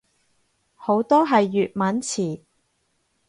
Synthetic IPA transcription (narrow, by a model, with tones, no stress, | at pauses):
ho˨˧˥wt̪ɔː˥ɦɐ˨jːyː˨t̚mɐ˨˥nt͡sʰiː˨˩